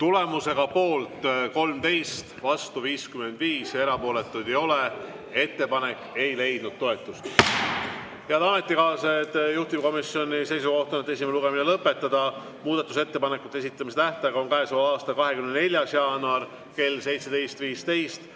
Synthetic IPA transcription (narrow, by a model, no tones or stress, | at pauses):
t̪ule̞muse̞ɡ̥ɑpo̞ːlt̪ko̞lmt̪e̞jst̪vɑst̪uviːskyme̞nd̪̥viːsje̞ɾɑpo̞ːle̞t̪ːˑud̪̥ejo̞le | e̞t̪ːe̞pɑne̞kːe̞jle̞jd̪̥̚nud̪̥̚t̪ːo̞e̞t̪ːˑust̪ | heɑd̪ɑme̞t̪ːˑikɑːset̪juht̪imko̞misjo̞nʲise̞jsuko̞ht̪onet̪ːˑe̞s̬ʲimeluɡe̞minelɤpːˑe̞t̪ːˑɑd̪̥ɑ | muːd̪̥ɑt̪ːˑuse̞t̪ːe̞pɑnekːˑut̪ːˑees̬it̪ˑːɑmiset̪æht̪ɑɡɑonkɑɦesuɑːst̪ɑkɑɦe̞kymnne̞lʲjɑsjɑːnuɑr | ke̞lse̞jt̪se̞d̪e̞jst̪viːst̪e̞jst̪